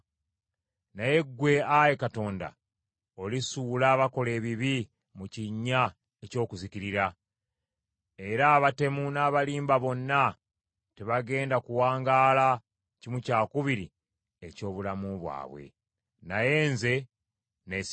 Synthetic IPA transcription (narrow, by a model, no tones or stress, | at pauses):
naje̞ɡːwe̞aje̞kato̞ːnda̰ | o̞lisuːlaβako̞le̞ːβiβi | muciɲːa | e̞co̞ːkuziciɾiɾa | e̞ɾaːβate̞munaːβaliːmbaβo̞nːa | teβaɡe̞ːndakuwaːŋɡaːla | cimucaːkuβiɾi | e̞co̞ːβulamuβwa̰ːβwe̞̰ | naje̞ːnze̞ | ne